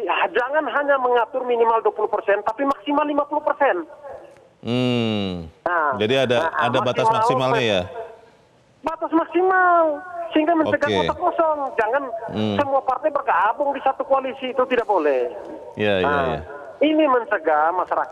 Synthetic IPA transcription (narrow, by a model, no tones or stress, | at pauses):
d͡ʒaŋanɦaɲaməŋat̪ʊrminimalduapuluhpərsɛnt̪apimaksimalːimapuluhpərsɛn | ad͡ʒadiadaa̰dabat̪asmmaaslsimalɲaja | bat̪asmaksimalsəiŋɡaməɲt͡ʃəɡakɔakɔsɔŋd͡ʒaŋansəmuapart̪ɛbərkaːbʊŋdisat̪ukualisiːt̪ut̪idak̚bolɛh | jaaa̰ja̰ | iniməɲt͡ʃəɡamaʃaɾaka